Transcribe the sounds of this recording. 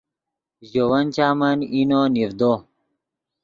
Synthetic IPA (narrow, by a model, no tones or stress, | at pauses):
ʑowɐnt͡ɕaːmɐninonivd̪o